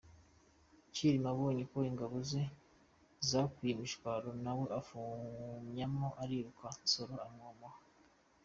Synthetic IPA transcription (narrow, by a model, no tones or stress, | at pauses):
ciɾimaβoːɲikoiŋɡaβoze | zakwijemiʃkwaɾonaweʔafumɲamoʔaɾiɾukasoɾoamŋoma